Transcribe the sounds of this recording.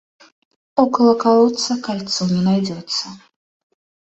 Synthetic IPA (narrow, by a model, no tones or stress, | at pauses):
ɔkɐlˠɐkalˠɔt̪sɐkalʲt̪sɔwnʲɛnajd͡zʲɛt̪sːɐ